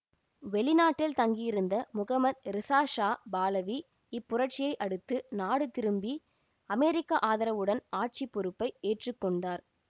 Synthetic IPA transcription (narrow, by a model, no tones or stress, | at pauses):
ʋɛɭɪnaːʈːɪlt̪ɐŋɡijɪɾɯnd̪ɐmʊɣɐmɐd̪̚ɾɪsaːʂaːbaːlɐʋi | ɪpːʊɾɐʈ̚t͡ʃɪjɐɪʔɐɽɯt̪ːɯnaːɽɯt̪ɪɾɯmbi | ɐmɛːɾɪkːaʔaːðɐɾɐʋɯɽɐnaːʈ̚t͡ʃipːɔɾɯpːɐɪeːʈrɯkːɔɳɖaːɾ